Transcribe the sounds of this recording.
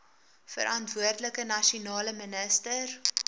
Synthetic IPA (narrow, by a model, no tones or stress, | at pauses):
fə̰ɾʔɐntvuərdləkənɐʃiunɑːləmənəstər